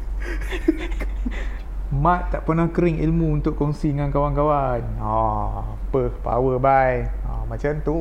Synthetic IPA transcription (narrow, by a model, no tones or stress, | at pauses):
mãt̪̚t̪ːaʔpənahkəɾɪŋḭlmuunt̪ʊʔkːɔŋsiŋãnkawankawan | ɔ | pəpa̰wəbaj | a̰mãt͡ʃamt̪u